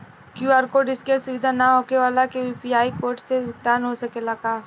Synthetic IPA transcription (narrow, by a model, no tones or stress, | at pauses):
kjuːaːɾkoːɖɪskesʊʋɪd̪ʱanaɦoːkeʋaːlakeʋiːpiaːikoːɾʈseɪkt̪aːnɦosɐkelɐɡaː